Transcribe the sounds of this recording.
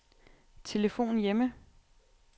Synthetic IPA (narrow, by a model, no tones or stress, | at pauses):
t͡sʰe̝ləfo̝̰ːnjemə